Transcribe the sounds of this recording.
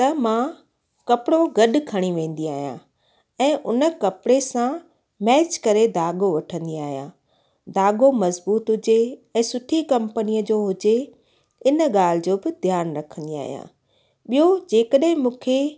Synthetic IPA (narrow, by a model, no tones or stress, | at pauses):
t̪ɐmã | kɐpɪɽoɡɐɗʊkʰɐɽ̃iʋẽːn̆d̪iaːɦijã̰ | ɛ̃ːʔʊ̰nə̆kɐpɪɽesã | mɛːt͡ɕkɐɾed̪aːɡoʋɐʈʰə̃nd̪iaːɦijã̰ː | d̪aːɡomɐzbuːt̪ɦʊd͡ʑeɛ̃ːsʊʈʰikɐ̃mpənijəd͡ʑoːɦʊd͡ʑe | ɪnə̆ɠaːl̤ɪd͡ʑoːbɪd̪ʱjaːnɾɐkʰə̃n̆d̪ia̰ːɦijã̰ː | ɓijod͡ʑeːkəɗɦɪ̃mũːkʰe